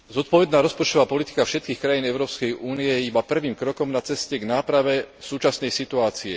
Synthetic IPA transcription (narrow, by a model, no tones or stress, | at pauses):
zɔt̪̚pɔʋɛd̪naːɾɔspɔt͡ʃt̪ɔʋaːpɔlit̪i̥kafʃɛt̪kiːxkɾajiːnɛʊɾɔːpskɛjuːnijɛjɛibapr̩ʋiːmkɾɔkɔmnat͡sɛscɛɡnaːpɾaʋɛsuːt͡ʃasnɛjsit̪uaːt͡siɛ